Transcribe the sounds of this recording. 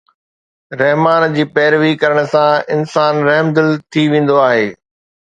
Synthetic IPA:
ɾɛɦmaːnd͡ʑiːpɛːɾʋikɐɾəɽ̃ə̆sãɪnsaːnɾɐɦmd̪ɪlt̪ʰiʋẽːn̆d̪oaːɦeː

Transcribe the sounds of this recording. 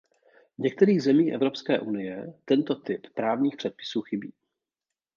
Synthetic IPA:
vɲɛk̚t̪ɛɾiːɣzɛmiːxʔɛvɾo̞pskɛːʔunɪjɛt̪ɛnt̪ot̪ɪppɾaːvɲiːxpr̝̥ɛt̪̚pɪ̥suːxɪbḭː

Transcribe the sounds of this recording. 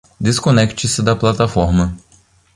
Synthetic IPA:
d̪eskonɛkt͡ʃɪsɪd̪ɐplat̪afɔɾmɐ

